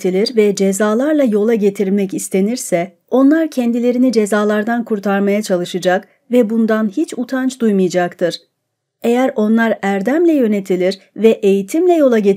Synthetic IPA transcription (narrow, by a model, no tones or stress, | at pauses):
t̪ʰilʲiɾvɛd͡ʒezaːlˠaɾlˠajo̞lˠaɟe̞t̪ʰiɾmɛcist̪ʰe̞niɾsɛ | o̞nlˠaɾcʰɛnd̪ilʲe̞ɾinid͡ʒe̞zaːlˠaɾd̪ankʰuɾt̪ʰaɾmajat͡ʃʰalˠɯʃɯd͡ʒak | vɛbund̪anhit͡ʃut̪ʰant͡ʃd̪ujmɯjd͡ʒakt̪ʰɯɾ̥ | e̞jæɾo̞nlˠaɾæɾd̪æmlʲɛjø̞ne̞t̪ʰilʲiɾ | vɛʔe̞jit̪ʰimlʲɛjo̞lˠaɟe